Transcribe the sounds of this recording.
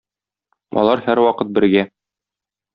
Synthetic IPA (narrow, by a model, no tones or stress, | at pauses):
ɒ̰lˠɑɾhæɾwɒqɤt̪̚bɘ̆ɾɡæ